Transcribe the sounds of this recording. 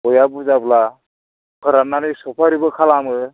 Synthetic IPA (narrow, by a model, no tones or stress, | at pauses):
ɔjabuzabla | kʰəɾanːanisɔpʰaɾibəkʰalamɯ